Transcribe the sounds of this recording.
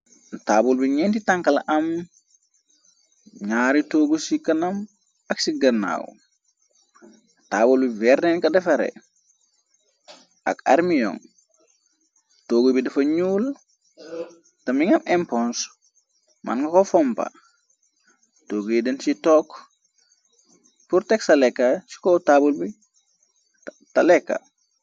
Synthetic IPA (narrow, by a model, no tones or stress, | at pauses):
taːbulbiɲɛntitaŋkɐlʔɐm | ɲaːɾitoːɡusikɐnɐm | ɐksiɡɐnːa̰ːw̰ | taːbulbivɛɾnenkɐdɐfɐɾḛ | a̰ka̰ɾmijɔ̰ŋ | toːɡubidɐfɐɲuːl | tɐmiŋɐmʔempɔns | ma̰nkɐkofɔmpa̰ | toːɡudensitɔːk | puɾtɛksalekːasi̥kotabulbi | talekːa̰